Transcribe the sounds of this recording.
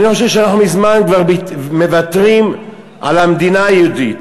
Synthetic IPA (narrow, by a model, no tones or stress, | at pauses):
niχo̞ʃevʃeanaχnumizmankvaʁbime̞vatʁim | ʔa̰lamd̪inaajeudit